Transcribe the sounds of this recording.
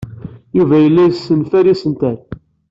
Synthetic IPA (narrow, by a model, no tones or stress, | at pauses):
juvæjəlːæjsːənfæɾisənt̪æn